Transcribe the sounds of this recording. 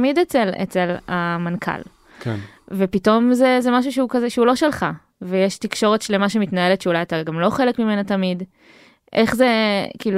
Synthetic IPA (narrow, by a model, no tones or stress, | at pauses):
mid̪et͡selḛt͡selamankʰa̰l | kʰvepito̞mzezemaʃ̬uʃeukazeʃeulo̞ʃelχa | vejeʃt̪ikʃo̞ʁe̞tʃlemaʃemitnae̞letʃeulajat̪aɡamlo̞χe̞lekmime̞nat̪amid | ʔe̞χze̞kiːlu